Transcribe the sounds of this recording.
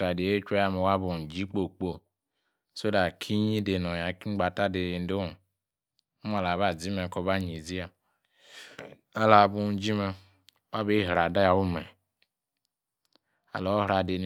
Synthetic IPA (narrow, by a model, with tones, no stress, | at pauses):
a˨de˨e˦t͡ʃa˦ja˦me˨wa˦bu˨d͡ʒi˦k͡po˨k͡po˦ | so˦da˨kʰi˦ɲi˦de˨no˨ja˨ki˦ɡ͡ba˨ta˦de˨˦de˦o˨ | u˦ma˨la˨βa˨d͡zi˦me˨ko˨ba˦ɲi˨zi˦a˨ | a˦la˨bu˨˦d͡ʒi˦me˨ | wa˦be˦ɦɾa˨da˦ja˨u˦mɛ˨ | a̰˨lo˨˦hɾa˨de˨n˨